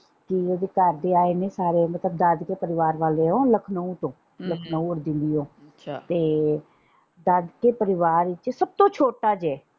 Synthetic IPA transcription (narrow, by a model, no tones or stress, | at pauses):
kɪod̪eːkəɾd̪eːaːeneːsaːɾemət̪ləbd̪əd̪keːpəɾɪʋaːɾʋaːleːɦõːləkʰnəũt̪õː | ləkʰnːũːəɾd̪ɪ̃nd̪iːõː | at̪eː | d̪əd̪keːpəɾɪʋaːɾɪt͡ʃsəb̚t̪õːt͡ʃʰoːʈaːd͡ʒɛː